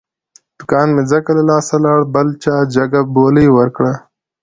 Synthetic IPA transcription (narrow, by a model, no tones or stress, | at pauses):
d̪̥ʊkaːnmed͡zɐkɐlɐlaːsɐlaːɽbɐlt͡ʃaːd͡ʒɐɡɐboːliːwɐɾkɽa